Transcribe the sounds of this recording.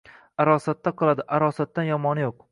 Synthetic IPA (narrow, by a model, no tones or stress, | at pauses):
aɾɒsat̪ːaqʰɨlˠad̪ɪʔaɾɒsat̪̚ːanjɒmɒnɪjoq̚